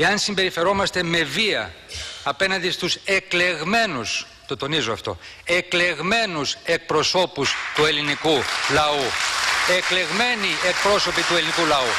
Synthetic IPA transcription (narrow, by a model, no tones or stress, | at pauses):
eɐnsimbe̞ɾife̞ɾo̞mɐst̪e̞me̞viɐ̰ː | pe̞nɐnd̪ist̪use̞kle̞ɣme̞nus | t̪o̞t̪o̞nizoɐft̪o̞̰ | ekle̞ɣme̞nuse̞k̚pɾo̞so̞pust̪ue̞linikulɐue̞kle̞ɣme̞nie̞k̚pɾo̞so̞pit̪ue̞linikulɐu